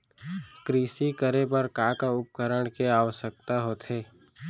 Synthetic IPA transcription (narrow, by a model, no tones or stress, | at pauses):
kɾiːsikəɾepəɾkaːkaʊp̚kəɾəɳ̃keaːʋəʃək̚t̪aɦot̪ʰeː